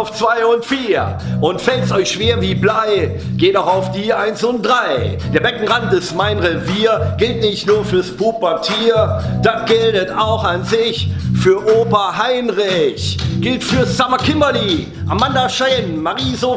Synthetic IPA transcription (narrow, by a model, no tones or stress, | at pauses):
ʊft͡sv̥aɪʊntfiːɐ | ʔʊntfɛltəsɔʏçʃv̥eːɐviːblaɪ | ɡ̥eːtaʊxaʊfd̥iːʔaɪnsʊnt̚d̥ʁaɪd̥eːɐbɛkŋ̩ʁant̚d̥ɛsmaɪnʁeviːɐɡ̥ɪltnɪçtnuːɐfyːɐspʰupatʰiːɐd̥at̚ɡ̥ɪldətaʊxanzɪçfyːɐʔoːpɐɦaɪnʁɪçɡ̥ɪltfyːɐsamakʰɪmbɐli | ʔa̰mandaʃɛnmaʁiːzo